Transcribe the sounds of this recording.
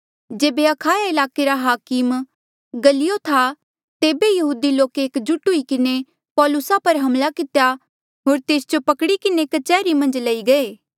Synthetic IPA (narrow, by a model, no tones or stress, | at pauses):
d͡ʒeːbeɐkʰaːjaɪlaːkeɾaɦaːkɪm | ɡɐlɪjot̪ʰa | t̪eːbejɐɦuːd̪iloːkeːkd͡ʒʊʈuikɪne | pɔːlʊsapɐɾɦɐmlakɪt̪eja | ɦoːɾt̪eːsd͡ʒopɐkɽikɪnekɐt͡ʃɛːɾimɐ̃nd͡ʒlɐiɡɐeː